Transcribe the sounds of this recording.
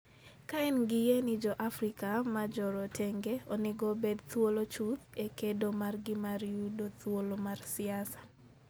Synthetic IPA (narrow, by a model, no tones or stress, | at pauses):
kaɛnɡɪjenɪd͡ʒɔʔafɾikamad͡ʒɔɾɔtʰɛŋɡeonɪɡobed̪̚t̪wolot͡ʃut̪ekedomarɡɪmaɾjudot̪wolomarsɪasḁ